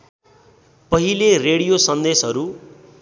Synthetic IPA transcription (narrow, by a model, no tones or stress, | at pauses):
pʌɦilereɽijosʌnd̪esɦʌɾu